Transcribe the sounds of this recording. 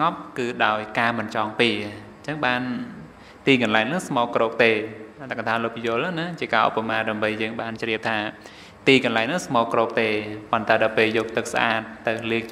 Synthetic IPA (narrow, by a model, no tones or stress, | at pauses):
ŋɑp̚kɨːɗaɔjkaːmɨnt͡ɕɑːŋpiə | t͡ɕəŋɓaːn | t̪iːkɑnlaɛŋnɨŋsmɔːkːroːk̚t̪eːt̪akat̪ʰaːloːpʰijʊ̆əlnnat͡ɕiəkaːʔo̰pːamaːɗaəmɓəjːəːŋɓaːnt͡ɕriəp̚t̪ʰaː | t̪iːkɑnlaɛŋnɨŋsmɔːkːroːk̚t̪eːpont̪aɛɗaɔpeːljoːk̚t̪ɨk̚sʔa̰ːt̪̚ːɨwliək̚